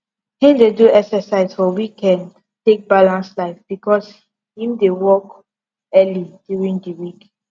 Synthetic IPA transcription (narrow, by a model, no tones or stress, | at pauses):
hĩmdeduɛksɛsaɪsfɔwikɛ̃n | tek̚balãnslaɪfb̥ikɔs | hĩmdewɔk | ɛlidjuɹĩŋdəwik